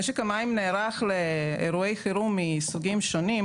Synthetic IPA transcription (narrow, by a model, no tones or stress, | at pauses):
eʃ̬ekamaimneːɾaχleeɾuejχiɾumisuɡimʃonim